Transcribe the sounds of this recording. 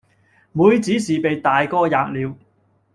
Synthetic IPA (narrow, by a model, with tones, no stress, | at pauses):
muː˨˧jt͡siː˨˥siː˨pe˨jt̪aː˨jkɔː˥jaː˨˧k̚liː˨˧w